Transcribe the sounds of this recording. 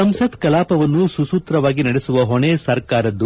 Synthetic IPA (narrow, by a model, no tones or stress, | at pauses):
ɐmsɐt̪kɐlaːpɐʋɐnːususuːt̪ɾɐʋaːɡinɐɽesuʋɐɦoɳeːsɐɾkaːɾɐd̪ːu